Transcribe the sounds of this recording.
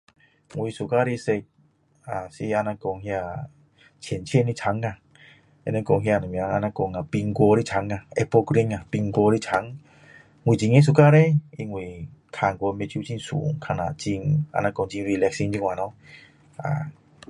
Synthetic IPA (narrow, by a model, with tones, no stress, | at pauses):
ŋwi˧su˨ka˧ɾe˦˧se˧k̚ | a˨si˧˦a˧nã˧kɔ˧ŋhj̃a˧˨ | t͡ɕʰjɛ˨nt͡ɕʰi˦e˧˨nĩ˧˦t͡sʰa˨˦ŋa˧˨ | ḛ˧nã˧kɔ˧ŋɦja˧˨nã˨mĩ˨a˧˦a˧nã˧kɔ˧ŋa˨pi˧ŋkɔ˧ɾi˦t͡ɕʰa˨˦ŋa˨e˧po˧kɾi˧˦ŋa˨pi˧ŋkɔ˧ɾi˦t͡ɕʰa˨˦ŋ | ŋwi˨˧t͡ɕi˧ŋe˦s̬u˨ka˦ɾe˦˨i˧ŋwi˨kʰa˧˨ŋkʷo˧me˧t͡ɕju˦t͡ɕi˧˦ŋsṵ˨ŋkʰa˧˨nã˨t͡ɕi˧ŋa̰˧nã˧kɔ˧ŋt͡ɕi˧˦vi˧lɛ˧k̚si˧˦ŋt͡ɕi˧ŋwa˨nɔ̃˧˦ | a̰˨